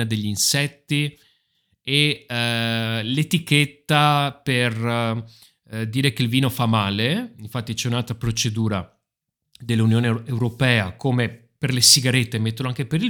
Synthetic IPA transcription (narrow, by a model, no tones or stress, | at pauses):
ad̪eʎːinsɛt̪ːi | e | let̪iket̪ːaper | d̪iːɾek̟eilviːnofamːaːleiɱfat̪ːit͡ʃɛunalt̪ɾapɾot͡ʃed̪uːɾa | d̪elːunjoːneewɾopɛːakome | perlesiɡaɾet̪ːemet̪ːeoloaŋkepeɾi